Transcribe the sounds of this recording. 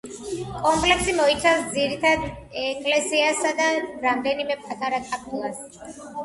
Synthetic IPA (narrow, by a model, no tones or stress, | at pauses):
kʼɔmpʼlɛksimɔit̪sʰafsd̪ziɾit̪ʰad̪ɛkʼlɛsiasad̪aɾamd̪ɛnimɛpʰʼat̪ʰaɾakʼapʰʼulˠas